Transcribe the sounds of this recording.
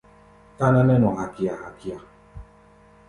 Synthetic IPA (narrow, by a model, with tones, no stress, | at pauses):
ta˦na˦nɛ˦nɔ˨ha˨ki˨a˨ha˨ki˨a˨